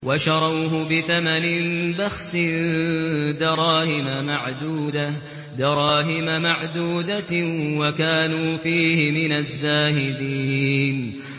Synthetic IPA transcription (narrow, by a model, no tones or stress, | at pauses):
waʃɑɾˤɑːɦʊbɪθamanɪnbaxsɪn | d̪ɑɾˤɑːhɪmamaʕd̪uːd̪a | d̪ɑɾˤɑːɦɪmamaʕd̪uːd̪awakaːnuːfiːhɪmɪnazːaːhɪd̪iːn